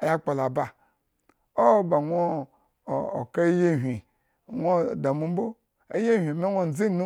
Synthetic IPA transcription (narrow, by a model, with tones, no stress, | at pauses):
a˨ja˦k͡pa˨la˨ba˨ | o˦ba˨ŋʷo˦˨ | o̰˨ka˦je˦ɦʲʷi˨ | ŋʷo˦˨da˨mu˦m˦bo˦ | ḛ˦je˦hʲʷi˨me˦o˦n̩˨d͡zi˦nu˦